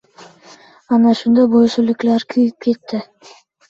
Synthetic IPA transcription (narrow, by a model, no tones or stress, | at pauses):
ɑnɑʃund̪ɑbojʃolyklæɾkʰyjyp̚ket̪ːɪ